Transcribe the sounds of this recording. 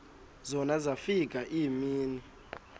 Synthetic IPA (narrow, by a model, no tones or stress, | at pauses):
zɔnazafik̬ʼaʔiːmiːni